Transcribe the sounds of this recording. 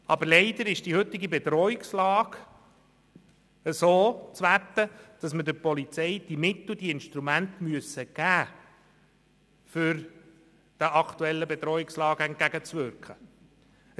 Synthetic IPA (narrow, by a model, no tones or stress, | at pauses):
ɑbəɾlɛɪd̪əɾɪʃd̥ihɵt̪ːɪɡibɛt̪ɾɔɪkslɑːɡ | əsoːt͡sʋæt̪ːəd̪̥ɑsmədəɾpɔlit͡sɛɪd̥imɪt̪ːʊd̥̪iɪnʃtɾumænt̪myəsəɡ̥æː | fʏɾ | d̥əʔɑkt̪uɛlːəbɛt̪ɾɔɪkslɑːɡ̥ɛnt̚ɡæɡət͡sʋʏɾkχə